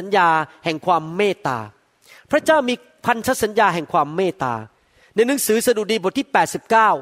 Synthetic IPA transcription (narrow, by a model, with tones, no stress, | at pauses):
a˩˦njaː˧hɛ˨˩ŋkʰwaː˧mːeː˥˩t̪a̰ː˧ | pʰɾa˥t͡ɕaː˥˩wmiː˧ | pʰa˧nt̪ʰa˦˥t̪̚sa˩˦njaː˧ɦɛ˨˩ŋkʰwaː˧mːeː˥˩t̪a̰ː˧ | na˧jnɯ˩˦ŋsɯː˨˩˦sa˧du˨˩diː˧bo˨˩t̪ʰiː˥˩pɛː˨˩t̪̚si˨˩p̚kaː˥˩w